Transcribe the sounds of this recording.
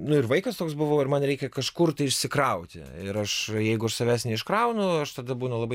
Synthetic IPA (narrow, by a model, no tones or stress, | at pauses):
nʊɪɾʋɐɪkɐst̪oːks̬bʊʋoːɪɾmɐnɾʲɛɪkʲɛkɐʃkʊrt̪ɐɪɪʃʲsʲɪkɾɐʊt̪ʲɪ̰ɪɾɐʃjɛɪɡʊɐʃsɐʋʲæːsnʲɛɪʃkɾɐʊnʊɐʃt̪ɐd̪ɐbuːnɐlˠɐbɐɪ